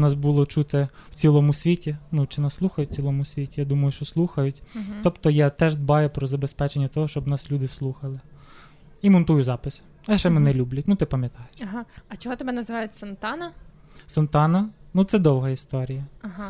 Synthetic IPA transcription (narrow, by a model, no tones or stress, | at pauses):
nɑsbulˠɔt͡ʃut̪ɛw̥t͡sʲilˠɔmʊsʲʋʲitʲinut͡ʃɪnɑsːlˠuxɐjʊt͡sʲilˠɔmʊsʲʋʲitʲijad̪umɐjʊʃt͡ʃɔslˠuxɐjʊtʲt̪ɔpt̪ɔjɑt̪ɛʒd̪bɑjʊpɾɔzɐbespɛt͡ʃenʲːɐt̪ɔɦɔʃt͡ʃɔbnɑslʲud̪ɪslˠuxɐlˠɪ | imɔnt̪ujʊzɑpɪsʲ | ɐʃt͡ʃɛmɪnɛlʲublʲɐt̚ʲnut̪ɪpɐmʲjɐt̪ɑjɐɦaɐt͡ʃɔɦɔt̪ɔbɛnɐzɪʋɑjʊtʲsɐnt̪ɑnɐ | sɐnt̪ɑnɐnut̪sɛd̪ɔwɦɐist̪ɔɾʲijɐɐɦa